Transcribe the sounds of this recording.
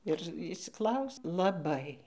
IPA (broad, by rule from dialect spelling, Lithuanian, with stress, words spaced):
ɪr ɪʃʲsʲɪˈklˠɐʊsʲɪ lˠɐˈbɐɪ